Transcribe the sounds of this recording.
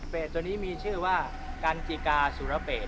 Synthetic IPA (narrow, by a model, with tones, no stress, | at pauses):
peː˨˩t̪̚ːu˧niː˦˥miː˧t͡ɕʰɯː˥˩waː˥˩ | ka˧nki˨˩kaː˧suː˨˩˦ɾa˧peː˨˩t̪̚